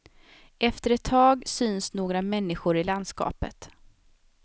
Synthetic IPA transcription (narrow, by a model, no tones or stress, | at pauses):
ɛft̪əɾɛt̪ʰːɑːɡsyːnsnoːɡɾamɛnːɪɧʊɾɪland̪skɑ̰ːpə̰t̪